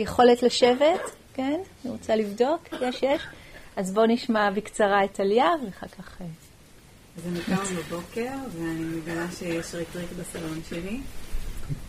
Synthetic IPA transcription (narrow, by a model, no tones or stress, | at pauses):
jeχo̞letlaʃevet | kenaniʁot͡salivdo̞kjeʃjeʃazbo̞niʃmabikt͡saʁaetaljavleχakʰaχe | azemikanbabo̞ke̞ʁveanimeɡalaʃejeʃʁetʁikbasalonʃeli